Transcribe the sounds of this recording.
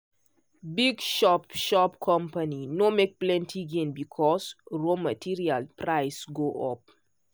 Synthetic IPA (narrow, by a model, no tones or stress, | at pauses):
biɡʃɔpʃɔpkʰɔ̃mpaninomek̚plɛ̃ntʰiɡẽnbikʰɔsɹomatʰiɹialpʰɹaɪsɡoʔɔp̚